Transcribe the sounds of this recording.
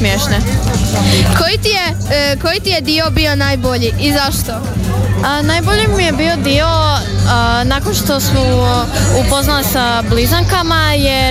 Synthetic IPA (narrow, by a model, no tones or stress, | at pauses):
mjeʃne | kojit̪ije | kojit̪ijed̪iobionajbo̞ʎiʔːzaʃt̪o̞ | ənajboʎimije̞biod̪ioənakonʃt̪o̞smoupoznalisa | blizaŋkamaje